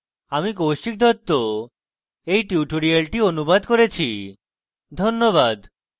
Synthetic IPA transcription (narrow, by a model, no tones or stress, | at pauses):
amikowʃik̚d̪ʱɔt̪ːo | ejʈiuʈoɾialʈionubad̪koɾet͡ɕʰi | d̪ʱonːoβad̪